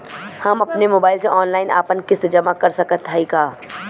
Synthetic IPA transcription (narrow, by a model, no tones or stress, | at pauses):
hɐmɐpnemoːbaːɪlseʔɔːnlaːɪna̰ːpənkɪst̪d͡ʒɐmakɐɾsɐkət̪ɦaikaː